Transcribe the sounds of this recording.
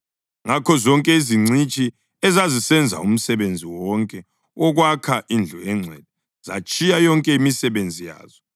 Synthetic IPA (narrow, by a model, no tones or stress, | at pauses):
ŋakʰɔzɔŋkʼɛiziŋ͡ǀʱit͡ʃʼi | ɛzazisɛnd͡zʱa̰um̩sɛβend͡zʱiwɔŋkʼɛ | ɔɣwakʰaʔind͡ɮʱɔɛŋ͡ǀʱɛd̥̚ʱɛ | z̥a̰t͡ʃʼijajɔŋkʼɛimisɛβend͡zʱija̰ːz̥ɔ